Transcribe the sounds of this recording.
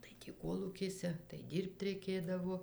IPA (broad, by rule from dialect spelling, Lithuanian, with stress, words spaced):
tɐɪ ˈtʲiː ˈkoːlˠuːkʲeːsʲɛ tɐɪ ˈdʲiːrpt rʲɛɪˈkʲeːdɐʋoː